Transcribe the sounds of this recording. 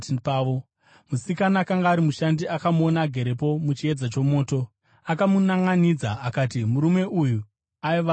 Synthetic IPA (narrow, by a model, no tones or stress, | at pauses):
paʋo | musikanaːkaŋɡaːɾimuʃandiʔakamuo̞naɡʱe̞ɾepo̞mut͡ʃie̞d͡zat͡ʃo̞mo̞ːto̞ | akamunaŋɡanid͡zaakaːtimuɾume̞ʔuju | aiʋa